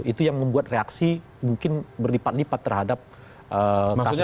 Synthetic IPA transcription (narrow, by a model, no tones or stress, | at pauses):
it̪ujaŋməmbuat̪̚reaksi | muŋkɪnbərlipat̪̚lipat̪ːərɦadap̚ | ʔəaka